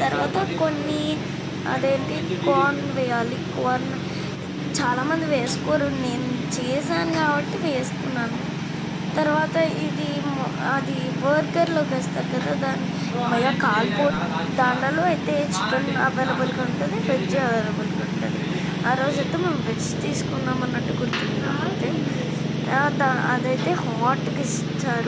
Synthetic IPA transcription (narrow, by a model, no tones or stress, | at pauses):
t̪ɐɾuʋaːt̪ɐkonːi | ɐ̰d̪eːɳʈikoːnʋɛjaːlikoːɾn | t͡ʃaːlaːmɐnd̪iʋeːsu̥koːɾune̞ːnut͡ʃeːsaːnkaːbɐʈːiʋeːst̪unːaːnu | t̪ɐɾuʋaːt̪ɐid̪i | ɐd̪i | ʋɐɾkɐɾloːʋeːst̪aːɾkɐd̪aːd̪aːni | mɐjaːkaːlpo̞ːʈː | d̪aːɳɖaloːɐjt̪e̞ːt͡ʃuʈːɐnɐʋeːlɐbulkɐuɳʈund̪iped͡ʒɐʋeːlɐbulukɐɳʈːund̪i | aːɾo̞ːd͡ʒɐt̪ːeːmeːmʋet͡ʃt̪iːsu̥kunːaːmɐnːɐʈːuɡuɾut̪unːa̰ːmɐnt̪eː | d̪aɐ̰d̪ɐjt̪e̞ːhɔːʈːkis | t͡ʃːaːɾu